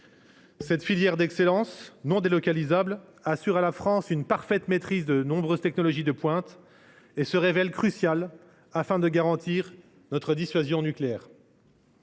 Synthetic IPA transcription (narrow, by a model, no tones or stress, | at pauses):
sɛt̪filjɛʁd̪ɛkselɑ̃snɔ̃d̪elɔkalizabl | asyʁalafχɑ̃synpaʁfɛt̪met̪χizd̪ənɔ̃bʁøzt̪ɛknɔlɔʒid̪əpwɛ̃t̪ | esəʁevɛlkχysjal | afɛ̃d̪əɡaʁɑ̃t̪iʁ | nɔt̪χəd̪isɥazjɔ̃nykleɛːʁ